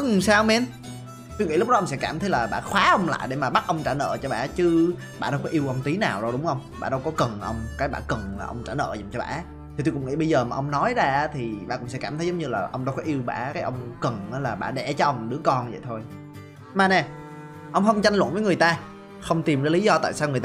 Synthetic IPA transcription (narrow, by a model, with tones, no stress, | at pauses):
saː˧wmɛ˧n | t̪u˧ŋḭ˧˥lk͡p̚ɔ˨˦ʔə˧wŋ͡msɛ̰˧˥kaː˧˩mt̪ʰə˨˦jlaː˨˩ɓa̰ː˧˩xwaː˨˦ʔə˧wŋ͡mla̰ː˧˨jɗe˧˩maː˨˩ɓa˦˥t̚ʔə˧wŋ͡mt͡ɕaː˧˩nə̰ː˧˨t͡ɕɔ˧ɓa̰ː˧˨t͡ɕɨ˨˦ | ɓa̰ː˧˩ɗə˧wkɔ˨˦ʔi˧wʔə˧wŋ͡mt̪i˨˦naː˨˩wzo˨˩jɗʊ˨˦ŋ͡mʔə˧wŋ͡mɓa̰ː˧˩ɗə˧wkɔ˨˦kə˨˩nʔə˧wŋ͡mkaː˨˦jɓaː˧˩kə˨˩ŋlaː˨˩ʔə˧wŋ͡mt͡ɕaː˧˩nə̰ː˧˨zə˨˩mt͡ɕɔ˧ɓa̰ː˧˩ | t̪ʰi˨˩t̪u˧kʊ̰˧˥ŋ͡mŋḭ˧˥ɓə˧jzəː˨˩maː˨ʔə˧wŋ͡mnɔ˨˦jzaː˧˨˦t̪ʰi˨˩ɓa̰ː˧˩kʊ̰˧˥ŋ͡msɛ˧˥kaː˧˩t̪ʰə˨˦zə˨˦ŋ͡mɲɨ˧laː˨˩ʔə˧wŋ͡mɗə˧wkɔ˨˦ʔi˧əwɓa̰ː˧˩kaː˨˦jʔə˧wŋ͡mkə˨˩ŋʔaː˨˦laː˨˩ɓa̰ː˧˩ɗɛ˧˩t͡ɕɔ˨˦ʔə˧wŋ͡mɗɨ˨˦əkɔ˧nvə̰˧˨jt̪ʰo˧j | maː˨˩nɛ˨˩ | ʔə˧wŋ͡mxə˧wŋ͡mt͡ɕa˧jŋ̟lə̰˧˨nvəː˨˦jŋ˨˩əjt̪aː˧ | xə˧wŋ͡mt̪i˨˩mzaː˨˦li˨˦zɔ˧t̪a̰ː˧˨jsaː˧wŋ˨˩jt̪